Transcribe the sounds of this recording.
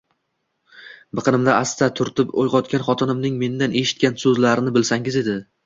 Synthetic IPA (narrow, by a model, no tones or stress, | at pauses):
bɨqʰɨnɪmd̪aʔast̪at̪ʰʊɾt̪ʰɪpo̰jʁɒt̪kʲanχɒt̪ʰɪnɪmnɪŋme̞nd̪ane̞ʃɪ̥t̪̚kʲansɵzlaɾɪnɪbɪlsaŋɪze̞d̪ɪ